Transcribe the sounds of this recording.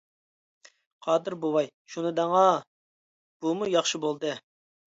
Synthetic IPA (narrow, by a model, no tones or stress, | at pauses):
qʰɑːd̪ɨɾbowɑj | ʃunɨd̪ɛŋɑ | b̥umujɑχʃɨbolˠd̪ɨ